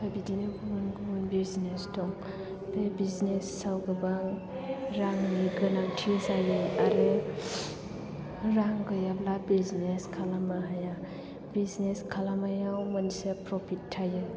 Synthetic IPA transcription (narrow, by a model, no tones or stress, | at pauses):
kʰabidinɯɡuunɡuunbiznestʰɔŋ | bebiznesːawɡɯbaŋ | ɾaŋniɡɯnaŋtʰizajɯaɾɯ | ɾaŋɡɯjablabizneskʰalamaɦaja | bizneskʰalamajawmanisepɾɔpʰitʰːajɯ